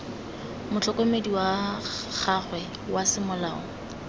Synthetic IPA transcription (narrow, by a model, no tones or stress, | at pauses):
mʊt͡ɬʰɔkomediwaχaχwɛ | wasɪmʊlaːɔ̰